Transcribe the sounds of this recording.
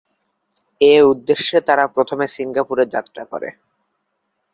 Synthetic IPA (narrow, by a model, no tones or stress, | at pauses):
eud̪ːeʃːet̪aɾapɾot̪ʰomesiŋɡapuɾed͡ʑa̰t̪ːɾako̰ɾḛ